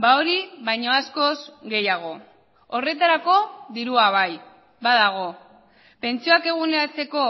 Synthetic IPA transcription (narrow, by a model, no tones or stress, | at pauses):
baoɾiβajɲo̞asko̞zɡe̞jaɣ̞o̞ | ore̞t̪aɾako̞ðiɾuaβ̞aj | βaðaɣ̞o̞ | pe̞nt͡sioake̞ɣ̞uneat͡se̞ko̞